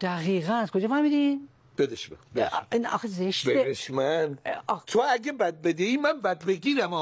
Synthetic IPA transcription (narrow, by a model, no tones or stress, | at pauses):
d̪̥æɣiːɣænæskʰod͡ʒɑːfæɾmid̪in | b̥ed̪eʃmebeinɒ̰xezeʃt̪beeeʃmænt̪ʰoæɡebæd̪̚bed̪eiːmænbæd̪beɡiːɾæmɔ